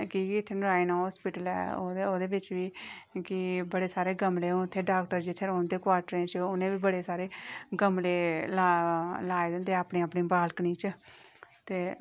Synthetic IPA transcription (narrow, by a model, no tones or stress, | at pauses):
kɪɪt̪ʰːeːnəɾaːiːnaːɦɔːspɪʈəlɛ̰ːo̰oːd̪eːbɪt͡ʃʋiː | kɪbəɽeːsaːɾeːɡəmleːũɪt̪ʰːeːɖaːkʈəɾd͡ʒɪt̪ʰːeːɾoːnd̪eːkwaːɾʈɾẽːt͡ʃʊnẽːʋiːbəɽeːsaːɾeːɡəmleːlaːlaːed̪ɪnd̪eːaːpnĩːəpniːbaːlkniːt͡ʃ | t̪eː